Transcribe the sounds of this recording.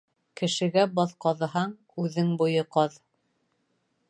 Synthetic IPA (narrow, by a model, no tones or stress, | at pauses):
kɘ̆ʃɘ̆ɡæbɑðqɑðɤ̆hɑɴ | ʉðɘŋbujɤqɑð